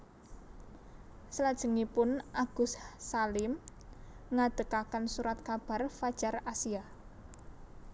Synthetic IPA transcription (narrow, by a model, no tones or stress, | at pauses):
səlad̥ʒ̥ə̤ŋipʊnʔaɡ̥ṳssalɪm | ŋad̪̥ə̤kakansuɾat̪̚kab̥a̤rfad̥ʒ̥arasia